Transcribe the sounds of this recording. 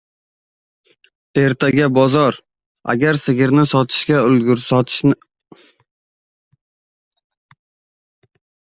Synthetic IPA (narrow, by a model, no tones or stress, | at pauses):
e̞ɾt̪ʰaɡʲabɒzɒɾ | a̰ɡʲaɾsɪɡʲɪɾnɪsɒt̪ʰɪ̥ʃkʲaʊlɡʲʊɾsɒt̪ʰɪ̥ʃ